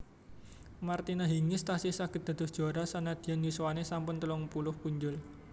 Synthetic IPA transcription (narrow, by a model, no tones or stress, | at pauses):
mart̪inaɦiŋɪst̪asisaɡ̥ə̤t̪̚d̪̥a̤d̪̥ɔ̤sd̥ʒ̥oaɾasanad̪̥i̤anjuswanesampʊnt̪əlɔŋpulʊhpuɲd͡ʒʊl